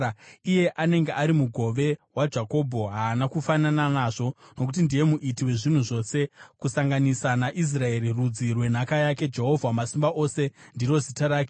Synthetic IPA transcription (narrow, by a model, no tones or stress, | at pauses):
ije̞ʔane̞ŋɡeaɾimuɡʱo̞ʋe̞wad͡ʒako̞bʱo̞ɦaːnakufanananaːʐo̞no̞kut̬indije̞muʔitiwe̞ʐin̤uʐo̞se̞kusaŋɡanisanaʔis̬rae̞ɾirud͡zirwe̞n̤akajake̞d͡ʒe̞ɦo̞vʱamasimbaʔo̞se̞ndiɾo̞zitaɾaːke